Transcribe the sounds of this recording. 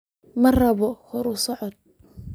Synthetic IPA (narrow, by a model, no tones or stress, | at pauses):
mɐrɐβɔhɔɾʊsɔʕɔd̪̚